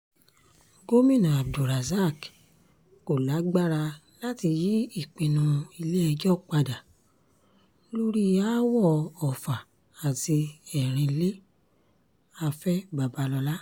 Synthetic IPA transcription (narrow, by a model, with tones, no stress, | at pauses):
ɡo˦mĩ˦˨nã˨a˨b̚do˨ɾa˨za˦˨k | ko˨la˨˦ɡ͡ba˦ɾa˧ | la˦ti˧ji˦i˦˨k͡pĩ˧nũ˧i˧le˦ɛ˧d͡ʒɔ˦k͡pa˧da˨ | lo˦ɾi˦ja˦wɔ˦˨ɔ˨fa˨ | a˨ti˧ɛ˨ɾ̃ĩ˧le˦ | a˧fɛ˦ba˨ba˨˧lɔ˧la˦